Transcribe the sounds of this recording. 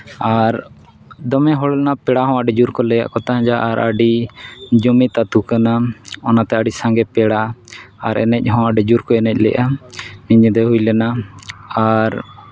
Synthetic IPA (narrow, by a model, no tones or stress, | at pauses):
aɾ | d̪ɔmɛɦɔɽlɛnapɛɽaɦɔ̃aɖɛd͡ʒuɾkɔlɛja̰ʔkɔt̪aɦãd͡ʒaʔaɾʔaɖid͡ʒɔmit̪at̪ukanaɔnat̪ɛaɖisãŋɡɛpɛɽaaɾɛ̰nɛc̚ˀɦɔ̃aɖɛd͡ʒuɾkɔɛnɛc̚ˀlɛ̰jʔaniɲd̪ɛɦujlɛnaaɾ